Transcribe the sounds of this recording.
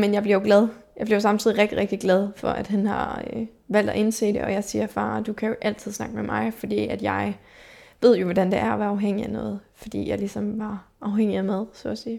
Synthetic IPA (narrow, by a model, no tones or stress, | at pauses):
menjɑɪb̥liɐjoɡlɛð̞ˠjɑb̥liɐsɑ̈mt͡sʰið̰ˠiʁeɡ̥d̥iʁeɡ̥d̥iɡ̥lɛð̞ˠfɒ̽ʔæd̥ɦænhɑ̈ø | ʋæl̰d̥æʔe̝nse̝̰ːd̥ḛɒ̽jɑ̈ɪsiːɐfɑ̰̈ːd̥ukʰæjo̝ʔæl̰t͡sʰiðˠsnɑ̈ɡ̥əmemʔɑ̈ɪfɒ̽d̥ḭːæd̥jɑ̈ɪʋe̝ð̞̰ˠjo̝ʋɒd̥ænd̥e̝ʔæɐʋæɑ̈ʊɦeŋ̰iænɔ̰ːð̩ˠfɒ̽d̥ḭːjɑ̈ɪlisɒ̽mʋɑ̈ʔɑ̈ʊɦeŋ̰iæmæðˠsɔ̰siː